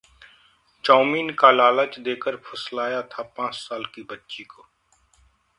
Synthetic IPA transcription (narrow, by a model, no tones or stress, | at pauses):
t͡ʃaːmiːnkalaːlət͡ʃd̪eːkəɾpʰəslaːjat̪ʰapãːt͡ʃsaːlkibətːʃikoː